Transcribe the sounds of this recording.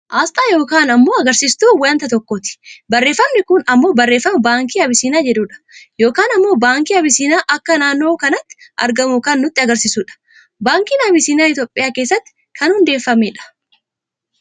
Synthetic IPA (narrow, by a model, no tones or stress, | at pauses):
ʔaːst̪ʼaːjo̞ːkaːnɐmːo̞ːɐɡɐɾsiːst̪uːwant̪ɐt̪ɔkːot̪ɪ̥bɐrːe̞ːfːɐmnɪkʊnɐmːo̞ːbɐrːe̞ːfːɐmɐbaːŋkiːɐbɪsiːnaːd͡ʒɛd̪uːᶑɐ̥jo̞ːkaːnɐmːo̞ːbaːŋkiːɐbɪsiːnaːʔɐkːɐnaːnːo̞ːkɐnɐt̪ːɪ̥ʔɐ̰ɾɡɐmʊkaːnːʊt̪ːɪɐɡɐɾsisuːᶑɐ̥ | baːŋkiːnɐbɪsiːnaːɪt̪̬jo̞ːpʼːɪjaːke̞ːsːɐt̪ːɪ̥ | kʰɐnhʊnd̪e̞ːfːɐmeːᶑɐ̥